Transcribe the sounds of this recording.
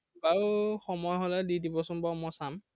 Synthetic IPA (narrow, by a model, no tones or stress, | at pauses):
baɹuxɔmɔjɦɔlɛdidibɔsumbamɔsam